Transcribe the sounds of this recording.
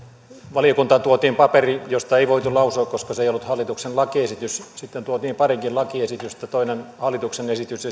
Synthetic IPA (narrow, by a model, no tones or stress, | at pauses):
ʋɑliokunt̪ɑt̪uot̪iːmpɑperijost̪ɑeiʋoit̪ulɑusoːkkoskɑseˑijolːut̪hɑlːit̪uksenlɑkiesit̪yssit̪ːent̪uot̪iːmpɑriŋkillɑkiesit̪yst̪ːæt̪oˑinenhɑlːit̪uksenesit̪yse